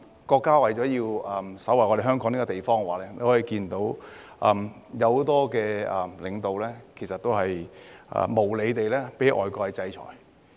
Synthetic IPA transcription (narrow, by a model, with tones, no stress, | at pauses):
kɔː˧kːaː˥wɐ˨jt͡sɔː˨˥jiː˧wɐ˨msɐ˨˥wɐ˨˩jɔː˨˧d̪e˨jhœː˥ŋkɔː˨˥ŋniː˥kɔ˧t̪e˨jfɔː˥ŋ˧waː˨˩lɛː˥ne˨˧hɔː˨˥i˧kiː˧nt̪o˨˥w | ʔɐː˨mjɐ˨˧who˨˧˥t̪ɔː˥kɛː˧ɐ˨lɪ˨˧ŋt̪o˨wlɛː˥kʰe˨˩jsɐ˨t̪̚ːo˥whɐ˨jʔɐ̰ː˨˩mo˨˩wle˨˧jt̪e˨jlɛː˥pe˨˥jʔɔ̰ː˨jkɔː˧hɐ˨jt͡sɐ˧jt͡ʃʰɔ̰ː˨˩j